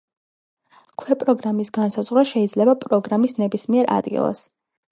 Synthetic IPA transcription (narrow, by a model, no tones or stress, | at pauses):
kʰwɛpʼɾɔɡɾamisɡansazʁɾwaʃɛid̪zlɛbapʼɾɔɡɾamisnɛbismiɛɾʔa̰d̪ɡḭlˠa̰s